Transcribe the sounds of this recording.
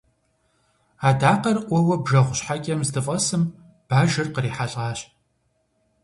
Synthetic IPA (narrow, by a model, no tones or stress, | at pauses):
aːdaːqɐrʔʷɔwɐbʒɐʁʷʊɕħakʲʼɐmzdɨfʼɐsɨm | b̥aːʒɐrqəriːħaɬʼaːɕ